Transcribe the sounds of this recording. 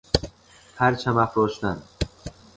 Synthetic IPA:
hæɾt͡ʃʰæmæfɾoːʃt̪æn

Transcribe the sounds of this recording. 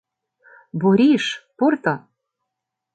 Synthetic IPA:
buɾʲiʃpurt̪ɑ

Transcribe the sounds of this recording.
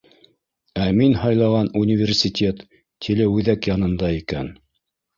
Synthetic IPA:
æminhɑjlˠɑʁɑnunʲɪvʲersʲitʲet̪ː | ilɘʉðækjɑnɤ̆nd̪ɑikæn

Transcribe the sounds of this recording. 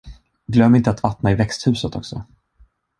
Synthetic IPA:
ɡlœmːɪnt̪əat̪vat̪naɪvɛkst̪hʉ̟ːsət̪ʰɔ̰ksɔ̰

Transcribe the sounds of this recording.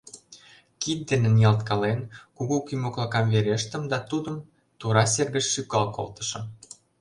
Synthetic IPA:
kit̪̚d̪enĕnijɑlt̪kɑlenkuɣukymoklɑkɑmβeɾeʃt̪ə̆md̪ɑt̪ud̪ə̆m | t̪uɾɑs̬erɣə̆ʃʃykɑlko̰lt̪ə̥̆ʃɤ̆m

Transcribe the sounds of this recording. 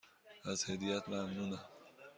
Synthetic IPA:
azhed̪ijat̪mamnuna

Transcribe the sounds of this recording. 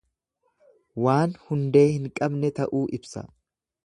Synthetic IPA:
waːnhʊnd̪e̞ːhɪŋkʼɐbnɛt̪ɐʔuːʔɪbsɐ̰

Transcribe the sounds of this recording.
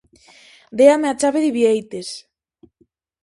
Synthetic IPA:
d̪eameat͡ʃaβeðiβiejt̪es

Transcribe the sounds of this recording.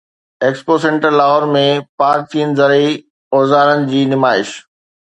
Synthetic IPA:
eːkspoːsẽɳʈəlaːɦɔɾmẽpaːɾtʰiənɪ̆zɐɾi | ɔːzaːɾənɪ̆d͡ʑiːnɪmaːɪʃ

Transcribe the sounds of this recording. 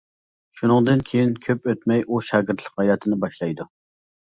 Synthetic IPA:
ʃunɨŋd̪ɨnkʲʰejinkʲʰøpøt̪mɛjʔuʃɑːɡʲɪɾt̪ʰlˠə̥qhɑjɑːt̪ʰɨnɪbɑʃlˠɑjd̪u

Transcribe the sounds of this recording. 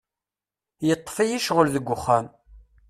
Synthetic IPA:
jət̪ˤːfæjiʃʁəlðəɡʷːʊχːæm

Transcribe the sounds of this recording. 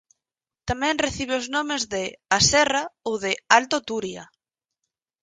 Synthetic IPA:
t̪amɛ̃ŋreθiβ̞eoznomezðɪasɛraowðɪalt̪ot̪uɾja̰

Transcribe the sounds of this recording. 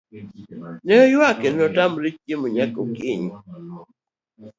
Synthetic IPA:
nɛɔjwakenɔtamɾit͡ʃjemʊɲakokɪɲu

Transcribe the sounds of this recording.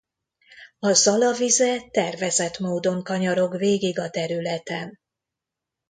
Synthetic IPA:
ɒzɒlɒvizɛt̪ɛrvɛzɛt̪moːd̪o̞ŋkɒɲɒɾo̞kveːɡiɡɒt̪ɛɾylɛt̪ɛn

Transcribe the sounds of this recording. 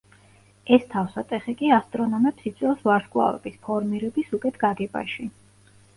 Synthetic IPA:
ɛst̪ʰafsat̪ʼɛχikʼiast̪ʼɾɔnɔmɛpsit̪sʰʼɛlsvaɾskʼwa̰vɛ̰bispʰɔɾmiɾɛbisukʼɛt̪ʰɡ̥aɡɛba̰ʃi

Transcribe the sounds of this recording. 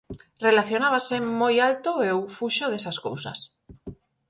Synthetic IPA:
relaθjo̞naβ̞asemojalt̪oewfuʃoðesasko̰wsa̰s

